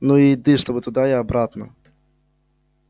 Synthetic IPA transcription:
nuid̪ɨʂt̪obɨt̪ʊd̪ajʲaɐbɾat̪nɐ̰

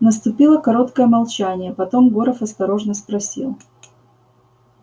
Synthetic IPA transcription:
nəst̪ʊpʲilˠəkɐɾo̞t̪kəjəmɐlˠt͡ɕænʲɪjəpɐt̪o̞mɡoɾəfɐst̪ɐɾo̞ʐnəspɾɐsʲḭlˠ

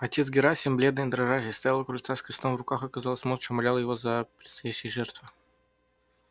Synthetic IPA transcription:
ɐtʲet̪sɡʲɪɾasʲiɪmblʲe̞d̪nɨjd̪ɾɐʐaʒʲɪst̪ɐjalˠəkɾʊlʲt̪saskɾʲɪst̪o̞mvrʊkaxɐkɐzalˠəsʲmot̪t͡ɕomɐlʲalˠjɪvozəpɾʲɪt̪st̪ɐjæɕːɪjəʐɛrt̪vɨ

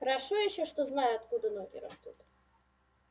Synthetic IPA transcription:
xɾaʂɔjɛɕɛʂt̪ɔznajʊat̪kud̪ɐnɔɡʲḭɾa̰st̪ut̪

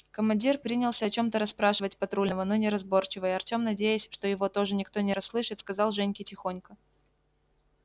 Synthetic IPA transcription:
kəmɐnʲdʲirpɾʲinʲɪlˠsʲəɐt͡ɕo̞mt̪əɾɐspɾaʂɨvətʲpɐt̪ɾulʲnəvəno̞nʲɪɾɐzbo̞rt͡ɕɪvəjɐrtʲo̞mnɐdʲejʊsʲʂt̪o̞jɪvo̞t̪o̞ʐɨnʲɪkt̪o̞nʲɪɾɐsːlˠɨʂɨt̪skɐzɑlˠʐɛnʲkʲɪtʲɪxo̞nʲkə

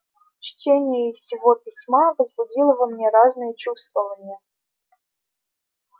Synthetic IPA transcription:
t͡ɕtʲenʲɪjʊsʲɪvopʲɪsʲmavəzbʊdʲilˠəvəmnʲeɾaznɨjət͡ɕust̪vəvənʲɪjə

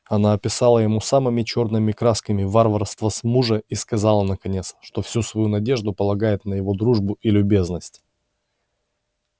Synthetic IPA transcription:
ɐnaɐpʲɪsalˠəjɪmusamɨmʲɪt͡ɕo̞rnɨmʲɪkɾaskəmʲɪvarvərst̪vəsmuʐəiskɐzalˠənəkɐnʲe̞t̪sʂt̪o̞fsʲusvɐjunɐdʲe̞ʐd̪ʊpəlˠɐɡajɪt̪nəjɪvo̞d̪ɾuʐbʊilʲʊbʲe̞znəsʲtʲ

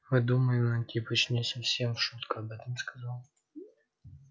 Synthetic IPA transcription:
mɨd̪uməjɪmnɐtʲipət͡ɕnʲesɐfsʲe̞mfʂut̪kəɐbɛt̪əmskɐzalˠ

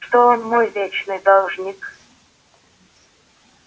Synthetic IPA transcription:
ʂt̪oonmojvʲet͡ɕnɨjd̪olˠʐnʲik

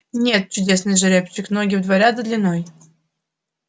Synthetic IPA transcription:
nʲet̪̚t͡ɕʊdʲesnɨjʐɨɾʲept͡ɕːɪknoɡʲɪvd̪vɐɾʲad̪əd̪lʲɪnoj

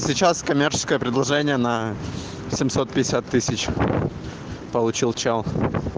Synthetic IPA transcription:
sʲɪt͡ɕaskɐmʲert͡ɕɪ̥skəjəpɾʲɪd̪lˠɐʐɛnʲɪjənə | sʲɪmʲsot̪̚pʲɪdʲɪsʲat̪ːɨsʲɪt͡ɕ | pəlˠʊt͡ɕilˠt͡ɕelˠ

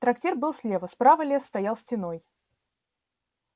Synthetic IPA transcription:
t̪ɾɐktʲerbɨlˠsʲlʲevəspɾavəlʲesːt̪ɐjalˠsʲtʲɪno̞j

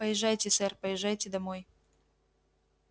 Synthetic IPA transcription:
pəjɪʐːajtʲɪsɛrpəjɪʐːajtʲɪd̪ɐmoj

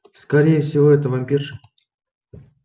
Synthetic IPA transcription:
skɐɾʲejəfsʲɪvoɛt̪əvɐmʲpʲirʂɨ

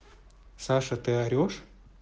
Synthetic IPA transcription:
saʂɐt̪ɨaɾʲoʂ

